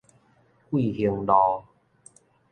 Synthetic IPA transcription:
kwi˥˨hi˧ŋlɔ˧

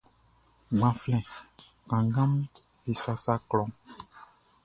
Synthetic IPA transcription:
ɡ͡bã˨flɛ̃˨ | kã˨ŋɡã˦m | e˨sa˦sa˦klɔ̃˨˦ŋ

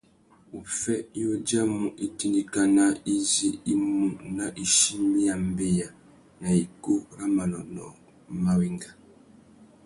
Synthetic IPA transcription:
u˨fɛ˦o˦d͡ʒa˦mu˨ʔi˦ti˦ndi˦ka˦na˦i˦zi˦i˦mu˨na˨ʔi˨ʃi˦mi˦ja˨m˦be˦ja˨ | na˨i˨ko˦ɾa˦ma˨nɔ̰˨nɔ̰˨ | ma˦wi˦ŋɡa˨

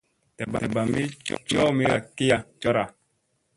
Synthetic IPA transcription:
tɛ˨ba̰˨ba˨mi˦t͡ʃɔ˦mi˦ɾa̰˨ki˦ja˨t͡ʃɔ˦ɾa˨

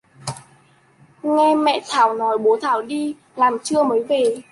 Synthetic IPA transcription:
ŋɛ˧mɛ̰˧˨t̪ʰaː˧˩wnɔ˨˦jɓo˨˦t̪ʰaː˧˩wɗi˧ | laː˨˩mt͡ɕɨ˧əməː˨˦jve˨˩

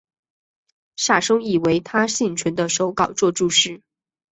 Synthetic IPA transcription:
ʂa˥˩ʂɤ˥ŋi˨˩we˧˥ɪt̪ʰa˥ɕi˥˩nʈ͡ʂʰwə˧˥nd̪ə˧ʂo˧˥ʊkɑ˨˩ʊt͡swɔ˥˧ʈ͡ʂu˥˧ʂɻ̩˥˩

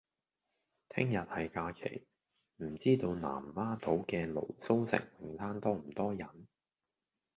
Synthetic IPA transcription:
t̪ʰɪ˥ŋjɐ˨t̚hɐ˨jkaː˧kʰḛ˨˩j | m̩˨˩t͡siː˥t̪o˧wna̰ː˨˩mmaː˥t̪o˨˥wkɛː˧lo̰˨˩wso˥wsɪ̰˨˩ŋwɪ˨ŋt̪ʰaː˥nt̪ɔː˥m̩˨˩t̪ɔː˥jɐ˨˩n

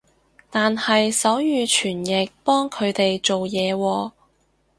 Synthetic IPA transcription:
t̪aː˨nhɐ˨jsɐ˨˥wjyː˨˧t͡ʃʰyː˨˩njɪ˨k̚pɔː˥ŋkʰɵ˨˧ɥt̪e˨jt͡ʃo˨wjɛː˨˧wɔː˧

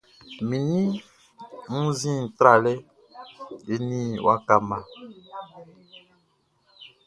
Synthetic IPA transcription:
mĩ˨nĩ˦ | ŋ̩˦zĩ˦˨tɾa˨lɛ˦ | e˦nĩ˦wʔa˦ka˦mã˨

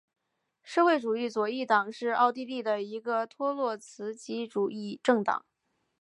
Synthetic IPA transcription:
ʂɤ˥˧xwe˥˩ɪʈ͡ʂu˨˩i˥˩t͡swɔ˨˩i˥˩t̪ɑ˨˩ŋʂɻ̩˥˧ɑ˥˧ʊt̪i˥˧li˥˩d̪ə˩i˧˥ɡə˧t̪ʰwɔ˥lwɔ˥˩t͡sʰɹ̩˧˥t͡ɕi˧˥ʈ͡ʂu˨˩i˥˧ʈ͡ʂɤ˥˩ŋt̪ɑ̰˨˩˦ŋ

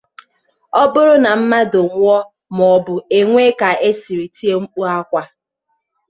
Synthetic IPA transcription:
ɔ˦bʊ˦ɾʊ˦na˨m̩˦ma˦dʊ˨ŋʷ˦ɔ˦ | m˨ɔ˨bʊ˨e˨ŋʷe˦ka˨e˦si˨ɾi˨ti˦e˦ŋ͡m̩˦k͡pu˦a˦kʷa˦

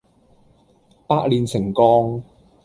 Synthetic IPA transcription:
paː˥k̚liː˨˧nsɪ˨˩ŋkɔː˧ŋ

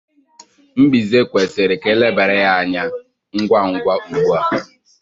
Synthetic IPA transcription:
m̩˦ɡ͡bi˨ze˦kʷe˨se˨ɾɪ˨ke˦le˦be˨ɾɪ˦ja˦a˨ɲa˦ | ŋ̩˦ɡʷa˦ŋ̩˦ɡʷa˦u˨ɡ͡bu˦a˦˨

